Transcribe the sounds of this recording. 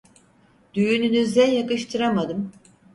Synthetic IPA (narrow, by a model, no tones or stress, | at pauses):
d̪̥yjynynyzænjakɯʃt̪ʰɯɾamad̪ɯm